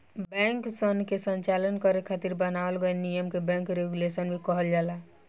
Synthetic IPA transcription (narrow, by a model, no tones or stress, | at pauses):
bɛ̃ŋksənkesə̃ɲt͡ʃalənkəɾekʰat̪iɾbənaəlɡəenijəmkebɛ̃ŋkɾeɡulesənbʱikɔɦəld͡ʒala